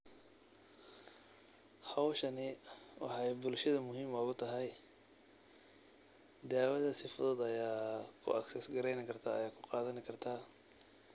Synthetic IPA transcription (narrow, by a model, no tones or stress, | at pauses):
hɑwʃɐnɪwɑ̰ħɑjbʊlʃɐðɐmʊɦiːmɔːɣʊt̪ʰɐɦɛj | d̪aːwɐðɐsɪfʊðɔːd̪ɐjaːkʰʊ̰ɐ̰ksɛsɡɐɾɛjnɪkʰɐrt̪ʰaːɐjaːkʰʊ̥qɑːðɐnɪkʰɐrt̪ʰaː